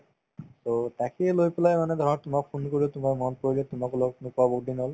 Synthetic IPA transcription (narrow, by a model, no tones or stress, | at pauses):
t̪ot̪akelojpelajmaned̪ʱɔɾaɾt̪umakpʰonkoɾiot̪umaɾmɔnpoɾilet̪umakloknukabokɖinɔl